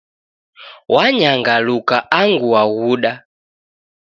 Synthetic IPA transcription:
waɲaŋɡalukaʔaŋɡuaɣuɗa

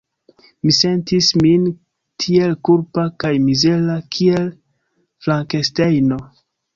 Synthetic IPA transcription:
mise̞ntismin | kʰie̞lkulpakajmizelakʰie̞l | flaŋke̞stejno̞

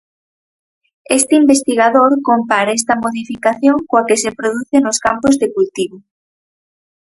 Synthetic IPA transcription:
est̪eimbest̪iɣaðoɾkompaɾaest̪ɐmoðifikaθjoŋkoakesepɾoðuθenoskampozðekult̪iβo

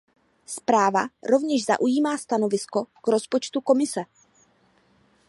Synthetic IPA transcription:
spɾaːvaɾo̞vɲɛʒza̰ʔujiːmaːst̪ano̞vɪsko̞ɡ̥ɾo̞spo̞t͡ʃt̪uko̞mɪsɛ

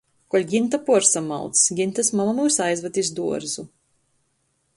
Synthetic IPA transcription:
kɔlʲɡʲint̪apuɾsama̰lˠt̪sɡʲint̪asmamamusajzvat̪ʲisd̪uɔɾzu

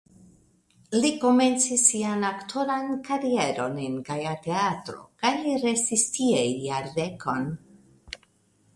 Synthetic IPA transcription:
liko̞me̞nt͡sisːianaktʰo̞ɾankaɾie̞ɾo̞nenɡajate̞atɾo̞̰kajliɾestistiejjaɾdekʰo̞n

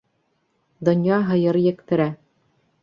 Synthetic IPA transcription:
d̪ŏnjɑɦɤ̆jɤɾjɘ̆kt̪ɘ̆ɾæ

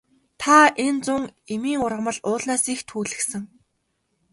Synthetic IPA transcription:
t̪ʰaent͡sʊŋemiːŋʊrʁə̆mə̆ɮʊːɮnaːsixt̪ʰuːɮɘ̆sɘ̆ŋ

